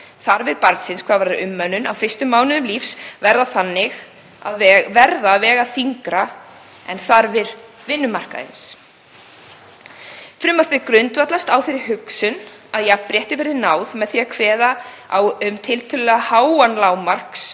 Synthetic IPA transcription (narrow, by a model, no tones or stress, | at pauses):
θaɾvɪɾpaɾt̪sɪnskʰvaːvaɾɾʔʏmːœnʏna̰wfɪrst̪ʏmːaːwnɪnʏmlifsvɛɾðaθanːɪɣ | a̰ðvɛɾðavɛːɣaθiŋkɾa | ɛnθaɾvɪɾ | vɪnːʏmar̥ka̰ðɪ̰ns | fɾʏmar̥pɪkɾʏnt̪vat̪last̪aːwfɪɾɪɾ̥hʏksʏn | aðjɛpɾjɛht̪ɪvɛɾðɪnaːwðmɛðθiakʰvɛːða | awʏmt̪ʰɪlt̪ʰʏllɛɣahaːwanlaːwmar̥ks